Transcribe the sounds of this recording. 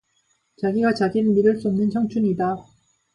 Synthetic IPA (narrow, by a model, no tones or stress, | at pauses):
t͡ɕaɡiɡat͡ɕaɡinmiɾɯɭs͈uʌmnɯnt͡ɕʰʌŋt͡ɕʰuɲida